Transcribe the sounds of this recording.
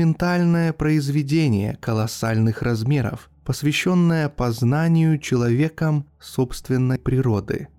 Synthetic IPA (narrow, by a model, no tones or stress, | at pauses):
ɪnt̪alʲnəjəpɾəɪzvʲɪdʲenʲɪ̰jə̰kəlˠɐsalʲnɨxrɐzmʲe̞ɾə̰f | pəsvʲɪɕːo̞nːəjəpɐznanʲɪjʊt͡ɕɪlˠɐvʲe̞kəm | sopst̪vʲɪnːəjpɾʲɪɾo̞d̪ɨ̰